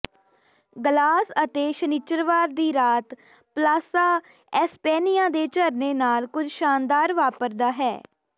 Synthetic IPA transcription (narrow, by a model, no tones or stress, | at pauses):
ɡəlaːsət̪eːʃənit͡ʃːəɾʋaːɾd̪iːɾaːt̪ | plaːsaː | ɛspɛːnɪjãːd̪eːt͡ʃəɾneːnaːlkʊd͡ʒʃaːnd̪aːɾʋaːpəɾd̪aːɦɛ̰ː